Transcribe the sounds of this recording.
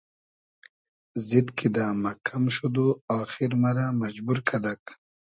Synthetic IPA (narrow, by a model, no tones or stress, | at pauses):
zid̪kʰid̪aːmɐkʰamʃud̪uaːxiɾmaɾamɐd͡ʑbuɾkʰɐd̪ak